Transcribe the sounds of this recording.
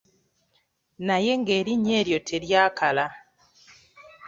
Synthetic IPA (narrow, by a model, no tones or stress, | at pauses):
naje̞ŋɡeːɾiɲe̞ɾjotʰeɾjaːkʰala